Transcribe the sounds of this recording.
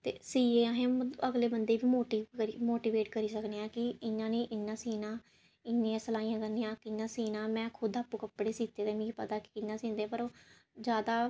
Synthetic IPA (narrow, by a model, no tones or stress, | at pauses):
t̪ḛːsiːeːaɦẽːəɡleːbənd̪eːbiːmoːʈiːəɾiːmoːʈiːʋeːʈkəɾiːsəkneːãːkɪɪnːãːnẽːʔɪnːãːsiːnãː | ɪnːĩːãːsəlaːĩjãːkənẽːjãːkɪnːãːsiːnãːmɛ̃ːkʰʊd̪aːpːuːkəpɽeːsiːt̪eːd̪eːmĩːpət̪aːkɪ̥kɪnːãːsĩːnd̪ẽːpəɾoː | d͡ʒjaːd̪aː